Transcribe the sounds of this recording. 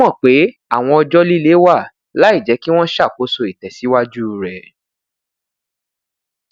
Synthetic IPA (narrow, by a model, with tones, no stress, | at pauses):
ɔ̃˦˨k͡pe˨˦a˦˨w̃ɔ̃˧ɔ˧d͡ʒɔ˦li˦le˦wa˦˨ | la˨˦i˦˨d͡ʒɛ˨˦ki˦w̃ɔ̃˦ʃa˦˨ko˨˦so˧i˨tɛ˨si˨˦wa˦d͡ʒu˦˧ɾɛ˨